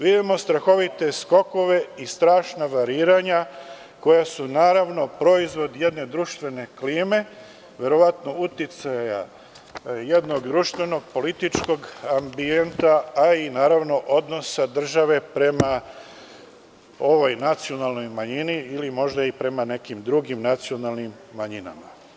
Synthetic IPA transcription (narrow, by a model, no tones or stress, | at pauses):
ʋid̪imo̞st̪ɾaxo̞ʋit̪e̞sko̞ko̞ʋe̞ist̪ɾaːʃnaʋaɾiːɾaɲa | ko̞jasunaːɾaʋno̞pɾo̞izʋo̞d̪je̞d̪ne̞d̪ɾuʃt̪ʋe̞ne̞kliːme̞ | ʋje̞ɾo̞ʋat̪no̞ut̪it̪saja̰ | jed̪no̞ɡd̪ɾuʃt̪ʋe̞no̞ɡ̚po̞lit̪it͡ʃko̞ɡambie̞nt̪aainaːɾaʋno̞ʔo̞d̪no̞sad̪r̩ʒaʋe̞pɾe̞ma | o̞ʋo̞jnat̪sio̞nalˠno̞jmaɲiniːlimo̞ʒd̪aipɾe̞mane̞kimd̪ɾuɡimnat̪sio̞nalˠnimːaɲina̰ma